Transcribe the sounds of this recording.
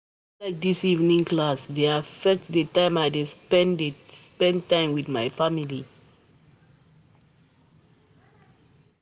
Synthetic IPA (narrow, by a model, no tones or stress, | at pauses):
laɪk̚disivnĩŋklasðeafɛk̚tdətãɪ̃maɪdesɛ̃ndspɛ̃ntãɪ̃mwidmaɪfamili